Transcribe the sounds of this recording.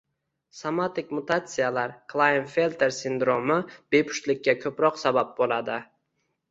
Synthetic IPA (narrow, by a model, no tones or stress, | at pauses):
samat̪ɪkʲmʊt̪ʰat̪sɨjalaɾkʰlˠajnfelʲt̪ʰe̞ɾsɪnd̪ɾomɪb̥e̞pʰʊ̥ʃt̪lɪkʲːakʰɵpɾɒqsabap̚bolad̪ɪ